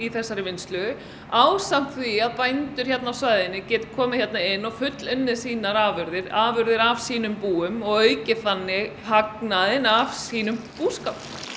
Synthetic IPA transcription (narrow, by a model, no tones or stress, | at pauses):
iθɛsːaɾɪvɪnst̪lʏ | aːwsam̥t̪θiaðpajnt̪ʏɾ̥çɛt̪nawsvajðɪnːɪcɛːt̪kʰɔːmɪ̥çjɛt̪naɪnːɔɣfʏt̪lʏnːɪðsiːnaɾaːvʏɾðɪɾaːvʏɾðɪɾav̥siːnʏmpuːʏmɔɣœːɥcɪθanːɪ | haknaðɪnavsiːnʏmpuːskawp